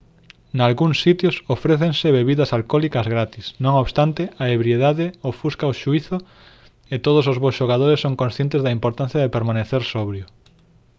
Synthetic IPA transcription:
nalɣuŋsːit̪jʊsofɾeθeŋsɪβeβiðɐsalkɔlikɐzɣɾat̪isnõŋoβst̪ant̪ɪaeβɾjeðaðɪofuskaoʃuiθʊ | et̪oðʊs̬ozβosʃoɣ̞aðoɾesːõŋkõnsθjent̪ezðɐimpoɾt̪an̟θjɐðepeɾmaneθeɾsɔβɾjʊ

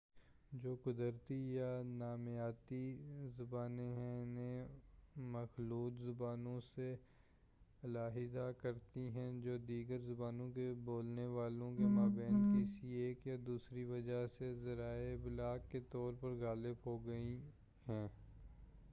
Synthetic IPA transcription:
d͡ʒoːkʊd̪əɾt̪ijanaːmjaːt̪izʊbaːneɦɛ̃ne | mɐxluːt̪zʊbaːnõse | ɐlaːɦɪd̪akɐɾt̪iɦɛ̃d͡ʒoːd̪iːɡəɾzʊbaːnõkeboːlneʋaːlõkemaːbɛ̃ːnd̪kisieːkjad̪uːsɾiʋɐd͡ʒaɦsezɐɾaːebɪlaːkːet̪ɔːɾpɐɾɣaːləbɦoɡɐi | ɦɛ̃ː

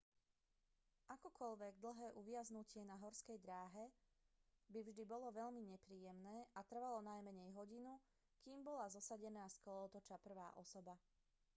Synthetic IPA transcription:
ʔakɔkɔʎʋɛɡd̪l̩ˠɦɛːʔuʋɪaznucɪɛnaɦɔɾskɛjd̪ɾaːɦɛ | bivʒd̪ibɔlɔʋɛʎmiɲɛpɾiːjɛmnɛːʔat̪r̩ʋalɔnajmɛɲɛjɦɔɟinu | kiːmbɔlazɔsaɟɛnaːskɔlɔːt̪ɔt͡ʃapr̩ʋa̰ːʔɔsɔba

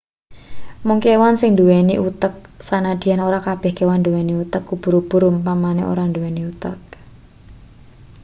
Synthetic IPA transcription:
mʊŋkewansɪŋnd̪uweniʔut̪ək̚sanad̪̥i̤anoɾakab̥ɛ̤hkewand̪uweniut̪əkːub̥ṳɾub̥ṳɾʊmpamanɛ̰ʔo̰ɾand̪uweniut̪ə̰k̚

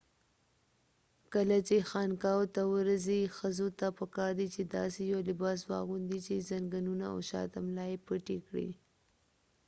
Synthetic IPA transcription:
kəlat͡ʃexɑnkɑwt̪awəɾəzixəzot̪apəkɑɾd̪it͡ʃed̪ɑ̰sejolɪbɑs̬wɑ̰ɣund̪it͡ʃezaŋɡanunaa̰wʃɑ̰t̪amlɑjepəʈekɽḭ

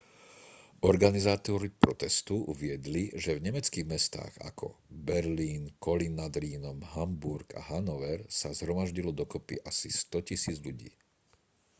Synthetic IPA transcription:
ɔɾɡanizaːt̪ɔɾipɾɔt̪ɛst̪uʔuʋɪɛd̪liʒɛvɲɛmɛt͡skiːɣmɛst̪a̰ːɣa̰kʰɔ̰bɛɾliːnkɔlinːad̪ɾiːnɔmɦambuɾka̰ɦanɔʋɛɾsazɦɾɔmaʒɟilɔd̪ɔkɔpḭʔasist̪ɔcisiːd͡zʎuɟḭː

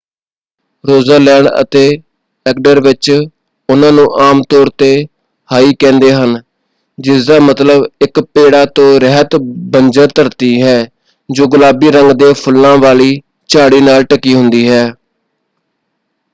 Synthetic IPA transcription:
ɾoːzəɾlɛ̃ːɳɖə̰t̪eː | ɛk̚ɖəɾʋɪt͡ʃ | ʊnãːnũːʔaːmt̪ɔːɾt̪eː | haːiːkɛ̃ːnd̪eːɦən | d͡ʒɪsd̪aːmət̪ləbɪkpeːɽaːt̪õːɾəɦət̪bənd͡ʒəɾt̪əɾt̪iːɦɛː | d͡ʒoːɡʊlaːbiːɾəŋɡd̪eːpʰʊlːãːʋaːliː | t͡ʃaːɽiːnaːlʈəkːiːɦʊnd̪iːɦɛː

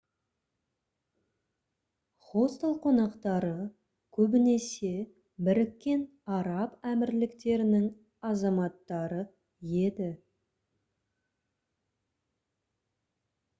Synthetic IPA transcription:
χo̞st̪olˠqʰo̞nɑqt̪ɑɾə | kʲʰɵbɪne̞se̞ | bɪɾɪkʲːe̞n | ɑɾɑpæmɪɾlɪkt̪e̞ɾɪnɪŋ | ɑzɑmɑt̪ːɑɾə | je̞d̪ɪ

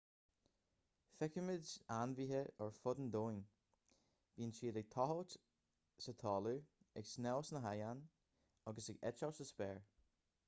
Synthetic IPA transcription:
fɪkəmɪdanviɦəɔɹfʊd̪nd̪oːn | b̥iːənt͡ʃiːdəɡ̚t̪ʰɔɦɔt̪ | sət̪ʰɔːluɪksnɛwsnəɦajan | ɔɡəsɪɡɛ̰t͡ʃawsəspɛːɹ

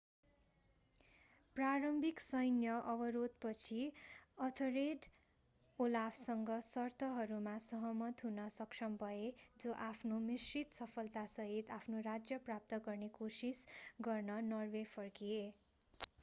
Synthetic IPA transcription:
praɾʌmbʱiksʌjnjʌʔʌbʌɾod̪̚pʌt͡sʰiʌt̪ʰoɾeɖ | olabsʌŋɡʌsʌrt̪ʰʌɦʌɾumasʌɦʌmʌt̪ɦunʌsʌksʰʌmbʱʌed͡zoʔapʰnomisrit̪sʌpʰʌlt̪asʌɦit̪apʰnorad͡zjʌprap̚t̪ʌɡʌrnekosisɡʌrnʌnʌrbepʰʌrkie

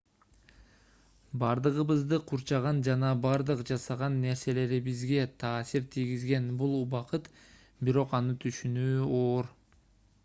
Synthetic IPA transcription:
bɑɾd̪ɯʁɯβɯzd̪ɯqʰuɾt͡ʃɑʁɑnd͡ʒɑnɑbɑɾd̪ɯqd͡ʒɑsɑʁɑnːe̞ɾse̞le̞ɾibizɡe̞t̪ʰɑːsiɾt̪ʰijɡizɡe̞nbulˠbɑqɯt̪ | biɾo̞qɑnɯt̪ʰyʃynyːoːɾ

